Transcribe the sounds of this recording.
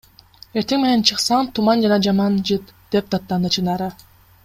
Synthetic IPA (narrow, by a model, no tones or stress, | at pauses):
e̞ɾt̪eŋmene̞nt͡ʃʰɯqsɑɴt̪ʰumɑnd͡ʒɑnɑd͡ʒɑmɑnd͡ʒɯt̪d̪̥ep̚d̪ɑt̪ːɑnɯt͡ʃʰɯnɑɾɯ